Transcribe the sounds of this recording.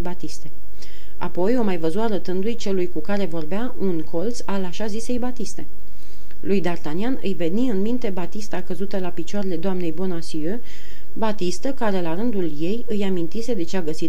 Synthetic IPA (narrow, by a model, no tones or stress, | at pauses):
bat̪ist̪e̞ | a̰po̞jo̞majvəzuaɾət̪ɨnd̪ujt͡ʃe̞lujkukaɾe̞vo̞rbeaʔunkʰo̞lt̪salaʃazise̞jbat̪ist̪e̞ | lujd̪art̪anianɨjve̞niɨnmint̪e̞bat̪ist̪akəzut̪əlapit͡ʃoaɾe̞le̞d̪oamne̞jbo̞nasiø | bat̪ist̪əkaɾe̞laɾɨnd̪ulje̞jɨjamint̪ise̞d̪e̞t͡ʃeaɡəsit̪